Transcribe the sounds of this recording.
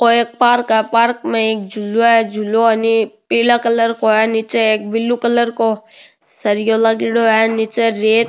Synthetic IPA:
koeːk̚paːɾkɛpaːɾkmẽeːk̚d͡ʒʱʊloɦɛd͡ʒʱuloənipiːlakələɾkoɦɛnit͡ʃeeːk̚bɪlːukələɾko | sɐɾijolaɡɪɽoɦɛnit͡ʃeɾeːt̪

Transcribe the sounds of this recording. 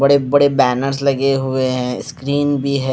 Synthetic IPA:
ɐɽebɐɽebɛːnəɾs̬lɐɡeɦʊeɦɛ̃ɪskɾiːnbʱiɦɛ

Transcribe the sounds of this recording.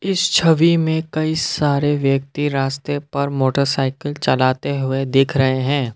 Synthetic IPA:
ɪst͡ʃʰəʋimẽkɐisaːɾeʋjək̚t̪iɾaːst̪epɐɾmoːʈəɾsaːɪkəlt͡ʃɐlaːt̪eɦʊed̪eːkʰɾɐɦeɦɛ̃ː

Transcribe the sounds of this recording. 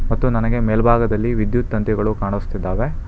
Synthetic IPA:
mɐt̪ːunɐnɐɡe̞meːlbʱaːɡɐd̪ɐlːiʋid̪jut̪ːɐnt̪jɛɡɐɭukaːɳust̪id̪ːaːʋe̞

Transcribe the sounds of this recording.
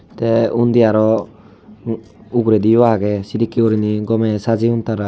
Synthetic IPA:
t̪eund̪iaɾɔ | uɡɾediwaaɡesidikiɔɾiniɡɔmesaziuntaɾa

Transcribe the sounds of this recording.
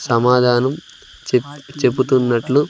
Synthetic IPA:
sɐmaːd̪ʱaːnɐm | t͡ʃebut̪unːɐʈlu

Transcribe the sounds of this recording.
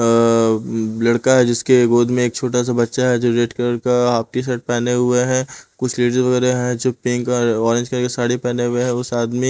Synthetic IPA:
lɐɽkaɦɛd͡ʒɪskeɡoːd̪mẽeːk̚t͡ʃʰoːʈas̬abɐtːʃaɦɛd͡ʒoɾeːʈkɾəɾkaaːp̚t̪is̬ɛːʈ̚pɛːneɦʊeɦɛ̃kʊt͡ʃʰliːɖɾzʋɐɣɛːɾeɦɛ̃d͡ʒopɪ̃ŋkɔɔːɾɪ̃nd͡ʒkɐɾkesaːɽepɛːneɦʊeɦɛ̃ʊsaːd̪mi

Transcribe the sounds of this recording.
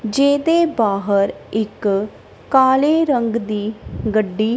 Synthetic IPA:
d͡ʒeːd̪eːbaːɦəɾɪkː | aːleːɾəŋɡd̪iːɡəɖːiː

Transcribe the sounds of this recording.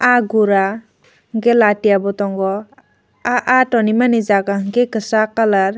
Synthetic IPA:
aɡuɾa | ŋɡelatijabɔtɔŋɡɔ | aʔatɔnimanizaɡaŋɡekɯsakalaɾ

